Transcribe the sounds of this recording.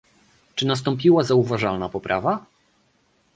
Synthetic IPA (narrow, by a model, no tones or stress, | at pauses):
t͡ʂɘnas̬t̪ɔ̃mpʲiwazauvaʐalnapɔpɾʔa̰va